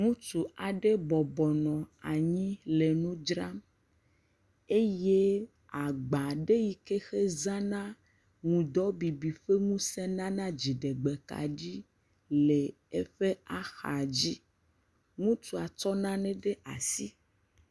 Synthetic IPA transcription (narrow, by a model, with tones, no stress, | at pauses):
ŋũ˦tu˨a˨ɖe˦bɔ˨bɔ˨nɔ̃˨a˨ɲĩ˦le˨nũ˦d͡ʒɾa˦m | e˦je˦ | a˨ɡ͡ba˨ɖe˦ji˨ke˦xe˦zã˦nã˦ | ŋũ˨d̪ɔ˦bi˨bi˨ɸe˦ŋũ˦sɛ̃˦nã˦nã˦d͡ʑi˨ɖe˨ɡ͡be˨ka̰˨ɖi˦ | le˨ | e˦ɸe˦a˦xa̰˨d͡ʑi˦ | ŋũ˦t̪u˨a˨tɔ˦nã˦nɛ̃˦ɖe˦ʔa̰˨si˦